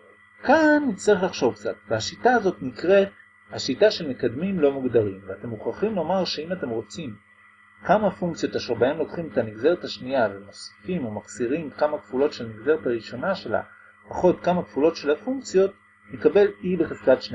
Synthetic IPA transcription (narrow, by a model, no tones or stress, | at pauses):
kannit͡saʁeχlaχʃo̞vkt͡sa̰tveaʃitaːzo̞tnikʁe̞t̚ | haʃitaʃe̞lme̞kad̪mimlo̞muɡd̪aʁimveate̞muχaχimlo̞maʁʃe̞imate̞mʁo̞t͡sim | kamafuŋkt͡sijo̞taʃeʁbaemlo̞kχimetaniɡze̞ʁethaʃnijaveno̞sfimumaksiʁimkamakv̥ulo̞tʃe̞lniɡze̞ʁethaʁiʃo̞naʃe̞la̰ | paχo̞tkamakvulo̞tʃe̞lafuŋk̚t͡sijo̞t̚ | nekabe̞libeχez̥katʃne